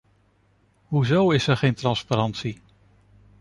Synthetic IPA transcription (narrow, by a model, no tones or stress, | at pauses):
ɦuzowɪsɛɹχejntrɑnspaɾɑntsi